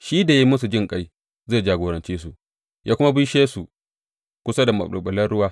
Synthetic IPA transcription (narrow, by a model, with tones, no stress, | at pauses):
ʃiː˦da˨ji˦mʊ˦s̬u˨d͡ʒɪ˦˨ŋkʼa˦j | zeː˦˨d͡ʒaː˨ɡoː˨ɾɐ˨nt͡ʃiː˦su˨ | jʔaː˦kʷʊ˦ma˦bi˦ʃeː˦su˨ | kʷʊ˦sa˦da˨mɐ̰˨ɓɐ˨lɐ˦rɽʊ˦waː˦